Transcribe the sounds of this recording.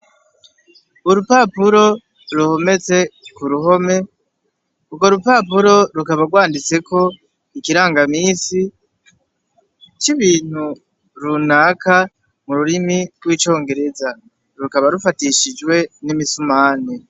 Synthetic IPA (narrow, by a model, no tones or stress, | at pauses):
uɾupapuɾo̞ | ɾuho̞me̞t͡se̞kuɾuɦo̞me̞ | uɡo̞ɾupapuɾo̞ɾukaβaɾɡwaːndit͡se̞ko̞ | ikiɾaːŋɡamiːsi | t͡ʃiβiːn̥hu | ɾunaka | muɾuɾimiɾɡwiːt͡ʃo̞ːŋɡe̞ɾe̞za | ɾukaβaɾufatiʃid͡ʒwe̞nimisumaːne